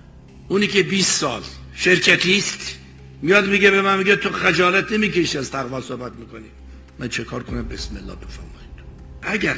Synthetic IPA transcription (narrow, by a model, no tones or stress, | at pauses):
uːniːkʰebiːssɒ̰ːlʃeɾkʰæt̪ʰiːst̪ | mijɒːd̪miɡebemænmiɡet̪ʰoxæd͡ʒɒːlæt̪ʰnemiːkʰeʃiæzt̪ʰæɣvɒːsohbæt̪̚miːkoniː | mænt͡ʃʰekʰɒːɾkʰonæmbeesmelːɒ̰ːbefæɾmɒ̰ːid̪̥ | ʔæɡæɾ